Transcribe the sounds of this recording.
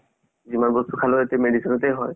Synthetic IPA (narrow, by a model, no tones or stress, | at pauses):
zimanbɔst̪ukʰalɔetɛmeɖisinɔtɛjɦɔj